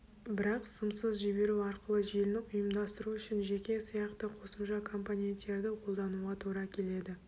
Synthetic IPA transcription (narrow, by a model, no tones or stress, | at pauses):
bɪɾɑqsəmsəzʒʏbe̞ɾuɑɾqəlˠəʒijlnɪqʊjəmd̪ɑst̪əɾuʏʃɪnʒe̞kʲe̞sijɑqt̪əqʰo̞səmʃɑkʰo̞mponʲent̪ːe̞ɾd̪ɪqʰo̞lˠd̪ɑnuʁɑt̪ʰuɾɑkʲʰe̞le̞d̪ɪ